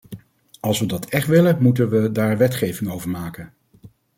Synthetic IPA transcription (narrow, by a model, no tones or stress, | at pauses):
ɑlˠsʋədɑtʰɛχtʋɪləmutənʋədaːɹʋɛtχejvɪŋowvəɹmaːkən